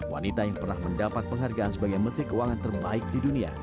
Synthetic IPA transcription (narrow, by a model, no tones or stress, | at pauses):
wa̰nit̪ajaŋpərnahməndapat̪̚pəŋɦarɡaʔansəbaɡajmət̪ɾikəuwaŋant̪ərbaɪk̚didunia̰